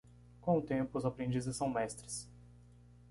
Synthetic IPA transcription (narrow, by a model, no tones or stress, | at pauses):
kõʊt̪ẽmpʊʊzapɾẽnd͡ʒizɪsːɐ̃w̃mɛst̪ɾɪs